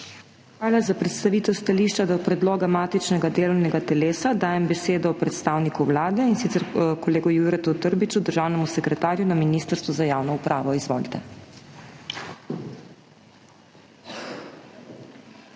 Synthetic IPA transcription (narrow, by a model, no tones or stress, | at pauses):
xʋaːlazapɾɛt̪st̪aʋiːt̪ɛwst̪aliʃt͡ʃad̪ɔpɾɛd̪loːɡamaːt̪it͡ʃnɛɡad̪eːlɔwnɛɡat̪ɛleːsad̪aːjɛmbɛseːd̪ɔːpɾɛt̪st̪aːwnikuwlaːd̪ɛinsit̪sɛɾkɔleːɡɔjuɾɛt̪ut̪əɾbit͡ʃud̪əɾʒaːwnɛmusɛkɾɛt̪aːɾjunaminiːst̪əɾst̪ʋuzajaːwnɔupɾʔaːʋɔizʋɔːlt̪ɛ